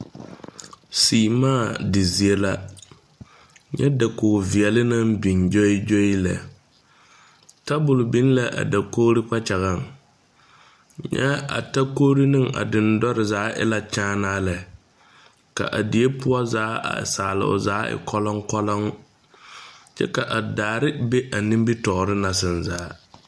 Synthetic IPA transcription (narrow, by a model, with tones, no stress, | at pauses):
siː˨maː˦˨dɪ˨zi˨e˦la˦ | ɲɛ˦da˨ko˨vi˨ɛ˨lɪ˦na˦mbi˨nd͡ʒo˦i˦d͡ʒo˦ɪ˦lɛ̰˨ | ta˦bʊ˨lbi˦n˦la˨ʔa̰˨da˨koː˦ɾɪ˦k͡pa˦t͡ʃa˨ɣa˦˨ŋ | ɲɛ̰˦a̰˨ta˦koː˦ɾi˦nɨ˦ŋa̰˨dɪ˨ndɔ˦ɾɪ˨zaː˨˦ʔɪ̰˦la˨t͡ʃaː˦naː˦lɛ˨ | ka̰˨ʔa˨di˨e˦pʊ˦ɔ˦zaː˨˦a̰˨saː˨lɪ̰˨ʊ̰˨zaː˨˦ɪ̰˨kɔ˦lɔ˦ŋkɔ˦lɔ˦ŋ | t͡ʃɛ̰˦ka˨ʔa˨daː˨ɾɪ˦be˦ʔa˨nĩ˦m˦bi˦tɔ˨ɾɪ˦na˨s̬ɪ˨nzaː˨˦